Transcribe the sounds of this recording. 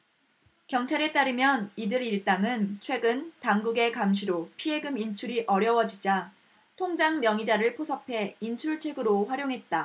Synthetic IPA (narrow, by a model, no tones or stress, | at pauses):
kjʌŋt͡ɕʰaɾe̞t͈aɾɯmjʌnidɯɾiɭt͈aŋɯnt͡ɕʰwe̞ɡɯntaŋɡuɡe̞kamɕ̬ʰiɾopʰie̞ɡɯmint͡ɕʰuɾiʔʌɾjʌwʌd͡ʑid͡ʑa | tʰoŋd͡ʑaŋmjʌŋid͡ʑaɾɯɭpʰosʰʌpʰe̞int͡ɕʰuɭt͡ɕʰwe̞ɡɯɾoɸwaɾjoŋɦe̞t̚t͈a